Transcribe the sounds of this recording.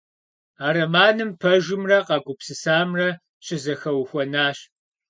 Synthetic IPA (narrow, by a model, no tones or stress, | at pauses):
aːɾɐmaːnɨmpʰɐʒɪmrɐqɑːɡʷʊpsɨsaːmrɐ | ɕʰʼɪzɐxɐwxʷɔnaːɕ